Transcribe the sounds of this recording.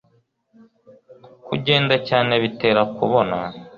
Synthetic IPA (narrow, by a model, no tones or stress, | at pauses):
kuɟe̞ːndacaːne̞βite̞ːɾakuβo̞na̰